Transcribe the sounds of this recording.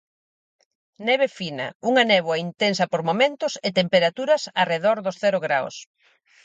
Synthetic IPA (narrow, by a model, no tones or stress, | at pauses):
nɛβ̞efinɐ̰uŋɐnɛβwɐint̪ensɐpoɾmomẽnt̪ʊsɪt̪empeɾat̪uɾɐsareðoɾðʊsθɛɾʊɣɾaw̰s